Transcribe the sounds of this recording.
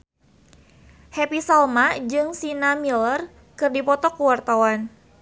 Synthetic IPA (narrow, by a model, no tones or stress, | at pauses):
hɛpisalmad͡ʒɨŋsinamilər | kɨrdipɔt̪ɔkuwart̪awan